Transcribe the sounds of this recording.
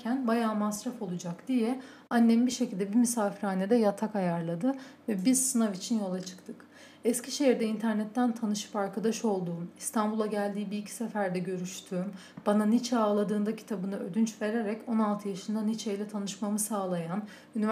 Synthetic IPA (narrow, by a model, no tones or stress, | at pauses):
cʰænbajaːmasɾafo̞lˠud͡ʒakd̪ijɛ | anːɛmbiʃecilʲd̪ɛbimysaːfiɾaːned̪ɛjat̪ʰakajaɾlˠad̪ɯvɛbiz̥sɯnavit͡ʃʰinjo̞lˠat͡ʃʰɯ̥kt̪ʰɯk | ɛsciʃeɦiɾd̪ɛint̪ʰæɾnɛt̪ːænt̪ʰanɯʃɯ̥paɾkʰad̪aʃo̞lˠd̪uːmist̪ʰanbulˠaɟælʲd̪iːbiːcʰi̥sefæɾd̪ɛɟø̞ɾyʃt̪ʰyːm | b̥ananit͡ʃʰɛaːlˠad̪ɯːnd̪acʰi̥t̪ʰabɯnɯø̰d̪ynt͡ʃve̞ɾeɾɛco̞nalˠt̪ʰɯjaʃɯnd̪anit͡ʃʰejlʲɛt̪ʰanɯʃmamɯsaːlˠajan | yniv